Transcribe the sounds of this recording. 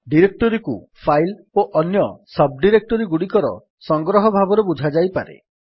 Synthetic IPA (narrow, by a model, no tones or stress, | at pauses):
ɖiɾek̚ʈɔɾiku | fpʰajl | oʔɔnjɔsɔb̚ɖiɾek̚ʈɔɾiɡuɽikɔɾɔ̰ | sɔŋɡɾɔɦɔbʱabɔɾebud͡ʒʱad͡ʒajpaɾḛ